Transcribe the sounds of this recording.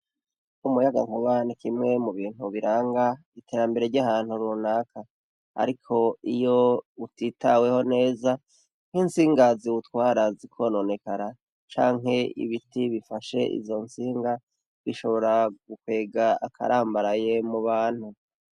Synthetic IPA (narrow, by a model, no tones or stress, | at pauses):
umujaɡa̰ŋhuβanikimŋe̞muβiːn̥huβiɾaːŋɡa | itʰe̞ːɾambe̞ɾeɾɟahaːn̥huɾunaːkʰa | a̰ɾikʰo̞ijo̞utitawe̞ho̞ne̞ːza | n̥hinsiːŋɡaziwutwaːɾazikʰo̞no̞ne̞kaɾa | t͡ʃa̰ːŋɦe̞ḭβitiβifaʃe̞̰ʔḭzo̞nsiːŋɡa | βiʃo̞βo̞ɾaɡukwe̞ːɡaakʰa̰ɾaːmbaɾaje̞muβaːn̥hu